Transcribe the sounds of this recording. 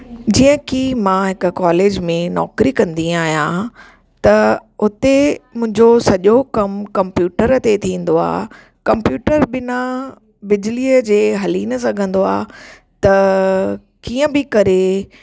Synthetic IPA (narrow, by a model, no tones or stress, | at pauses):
d͡ʑiːə̃kimãːɦɪkʊkaːleːd͡ʑmẽnɔ̰ːkɾikɐ̃nd̪iaːɦijã | t̪ɐʊt̪emʊ̃ɦɪ̃ɲd͡ʑosɐʄokɐmkɐ̃mpjuːʈəɾt̪et̪ʰĩːn̆d̪oa̰ː | kɐmpjuːʈəɾbɪna | bɪd͡ʑliːəd͡ʑeːɦɐlinɐsɐɡʱə̃nd̪oa̰ː | t̪ɐ | kiːə̃bɪkɐɾe